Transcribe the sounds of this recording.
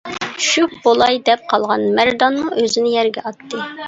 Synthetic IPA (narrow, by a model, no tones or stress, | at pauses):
ʃykbolˠɑjd̪ɛp̚qʰɑlˠʁɑnmæɾd̪ɑnmuʔøzɪnɪjɛɾɡʲɛɑt̪ːɨ